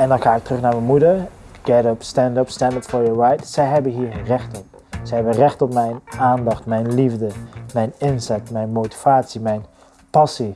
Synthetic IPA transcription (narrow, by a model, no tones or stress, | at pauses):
ɛndɑnχaːɪktrɵχnaːɹmɛnmudəɹ | ɡ̥ɛdəpstɛndəpstɛndətfɔɹjəɹajtsɛjɦɛbənɦiːɹrɛxtɔp̚ | sɛjɦɛbənrɛχtɔpmɛjnaːndɑχtmɛjnlivdəmɛjnɪnzɛtmɛjnmowti̥v̥aːtsimɛjn | pɑsi